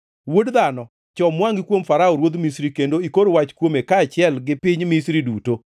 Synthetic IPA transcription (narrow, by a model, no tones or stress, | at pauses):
wodd̪anɔ | t͡ʃɔmwaŋɡikwomfaɾaoɾwod̪misɾikendoikoɾowat͡ʃkwomekaːt͡ʃɪɛlɡɪpɪɲmisɾiduto